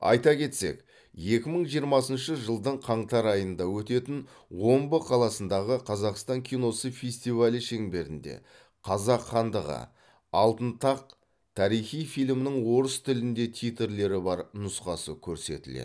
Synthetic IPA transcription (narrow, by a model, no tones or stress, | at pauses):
ɑ̰jt̪ɑkʲʰe̞t̪se̞̰k | je̞kʲɪməɴʒijəɾmɑsənʃəʒəlˠd̪əɴqʰɑɴt̪ɑɾɑjənd̪ɑwɵt̪e̞t̪ɪn | wo̞mbəqʰɑlˠɑsənd̪ɑʁəqʰɑzɑqst̪ɑŋkʲʰijno̞səfʲe̞sʲt̪ivalʲəʃe̞ŋbe̞ɾɪnd̪e̞̰ | qʰɑzɑqχɑnd̪əʁə̰ | ɑlˠt̪ənt̪ɑq̚ | t̪ʰɑɾijχijfijlʲmnɪɴwo̞ɾəst̪ʰɪlɪnd̪e̞t̪ʰijt̪eɾle̞ɾɪbɑɾnʊsqɑsəkʲʰɵɾse̞̰t̪ɪlḛd̪